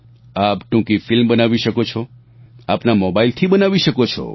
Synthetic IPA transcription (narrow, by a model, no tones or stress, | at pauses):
apʈũkifɪlmbənaʋiʃəkot͡ʃʰɔ | apnamobailt̪ʰibənaʋiʃəkot͡ʃʰɔ̰